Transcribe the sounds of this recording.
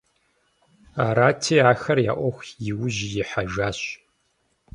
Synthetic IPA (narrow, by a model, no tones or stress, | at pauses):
aːɾaːtʰeːaːxɐrja̰ːʔʷɔxʷjɪwʊʒjɪħaʒaːɕ